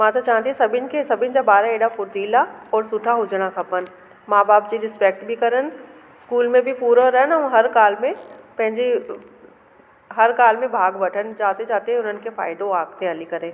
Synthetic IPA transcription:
mãt̪at͡ʃaːɦə̃nt̪iɦɛ̃sɐbʱɪnkesɐbʱɪnd͡ʒabaːɾaeːɽapʊɾt̪iːlaɔːɾsʊʈʰaɦʊd͡ʒɽ̃akʰɐpən | maːbaːpd͡ʒiɾɪspeːk̚ʈbʱikɐɾən | skuːlmẽbʱipuːɾoɾɐɦənaũɦɐɾkaːlmẽpɐ̃ɦɪ̃ɲd͡ʒe | ɦɐɾkaːlmẽbʱaːɡbɐʈʰənd͡ʒaːt̪ed͡ʒaːt̪eɦɛ̃ʊnən̆kefʰa̰ːɪd̪õaːɡ̚t̪eɦɐlikɐɾẽː

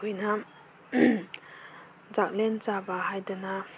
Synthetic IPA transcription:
kʰojnɐ | zak̚lent͡ʃabɐhajdɐnɐ

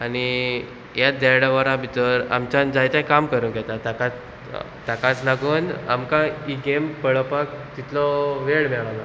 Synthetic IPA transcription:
aɽ̃i | jad̪ɛɽʋəɾãbit̪əɾa̰mt͡ɕand͡zajt͡ɕãkamkəɾũnɡɛt̪at̪akat͡s | t̪akat͡slaɡuːna̰mkaiɡempəɭəpakt̪it̪lɔʋeɭmɛɭala

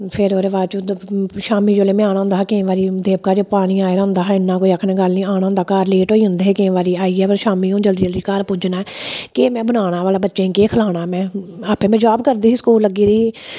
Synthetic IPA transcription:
pʰɪɾoːɾeːʋaːt͡ʃːʃaːmiːd͡ʒoːleːmaːnãːɦʊ̃nd̪aːkẽʋaːɾiːd̪eːpkaːd͡ʒoːpaːɽ̃iːaːeːɾʊ̃nd̪aːɦɪnːãːkoːiːəkʰnɛ̃ːɡəlnĩːaːñãːd̪aːkaːɾleːʈɦoːiːɦʊ̃nd̪eːɦeːkẽːʋaːɾiːaːiːɛːpəɾʃaːmiːõːd͡ʒəld̪iːd͡ʒəld̪iːkaɾpʊd͡ʒnaːɛkeːmɛ̃ːbənaːɽ̃ãːʋaːlaːbətːʃẽːĩkeːkʰəlaːɽaːmɛ̃ːaːpẽːmɛ̃ːd͡ʒaːbkəɾd̪iːɦiːsə̥kuːlːəɡiːɾiːiː

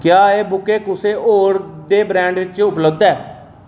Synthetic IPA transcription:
kjaːeːbʊkeːkʊseːoːɾd̪eːbɾɛ̃ːɳɖʋɪt͡ʃʊpləbd̪ɛː

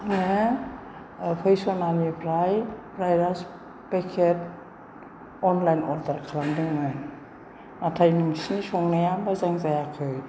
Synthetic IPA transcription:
ne | pʰɯjsɔnanipʰɾajbɾajɾas | pekʰet̚ | ɔnlajnɔldaɾkʰalamdɯŋmɯjn | natʰajniŋsinisɔŋnajambazaŋzajakʰɯj

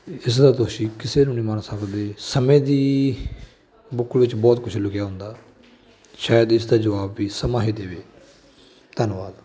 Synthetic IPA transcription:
ɪs̬d̪aːt̪ʊʃiːkɪseːnũːnĩːmənsəkd̪eːsəmẽːd̪iː | bʊkːəlʋɪt͡ʃbɔːt̪kʊt͡ʃʰlʊkɪjaːɦʊ̃nd̪aː | ʃaːjəd̪ɪsd̪aːd͡ʒəʋaːbːiːsəmãːɦeːd̪eːʋeː | t̪ənʋaːd̪

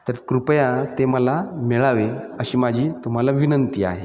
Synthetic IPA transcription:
t̪əɾkɾupəjãt̪eməlamɛɭaʋe | əɕiːmad͡ʑʱiːt̪um̤alaʋinənt̪iːa̰ɦe

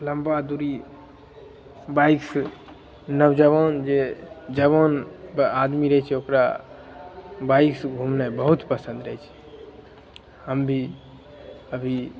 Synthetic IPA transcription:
ləmbad̪uɾi | baiks | nəbd͡ʒəβɔnd͡ʒed͡ʒəβonbad̪miɾəɦɛt͡ʃʰɛokɾa | baiksɡʱumnabəɦut̪pəsə̃nd̪ɾəɦɛt͡ʃʰɛ̥ | həmbʱi | əbʱi

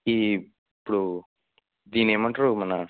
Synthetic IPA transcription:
iː | pːuɽu | d̪iːneːmɐɳʈɐɾomɐnɐ

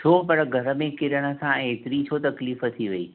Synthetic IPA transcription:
t͡ɕʰoːpɐɽɡʱɐɾə̆mẽkɪɾəɽ̃ə̆sãeːt̪ɪɾit͡ɕʰot̪ɐkliːfət̪ʰiʋɐḭː

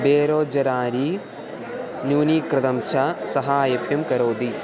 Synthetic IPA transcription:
beːɾoːd͡ʒɐɾaːɾi | njuːnikɾɪd̪ɐmt͡ʃʰɐsɐɦajɐpjɐmkɐɾoːd̪i

